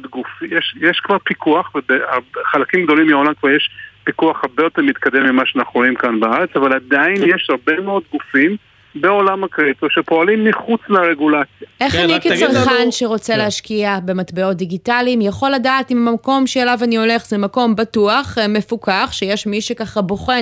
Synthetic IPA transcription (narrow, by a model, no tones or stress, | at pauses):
dɡufjeʃjeʃkvaʁpikuaχvebeaχalakimɡd̪o̞limiolamkvaʁjeʃpikuaχhaʁbejo̞t̪eʁmit̪kade̞mːimaʃanaχnʁoimkanbaaʁe̞t͡savaladajinjeʃhaʁbe̞meo̞d̪̚ɡufim | beo̞lamakʁit̪oʃepo̞alimːiχut͡slaʁeɡulat͡sjaʔe̞χaniket͡saʁχanʃeʁo̞t͡seleaʃkiabe̞matbeo̞t̚d̪iɡitalimjaχo̞lːadaːtimmako̞mʃelavanio̞le̞χzemako̞mbatuaχme̞fukʰaχʃejeʃmiʃekaχabo̞χe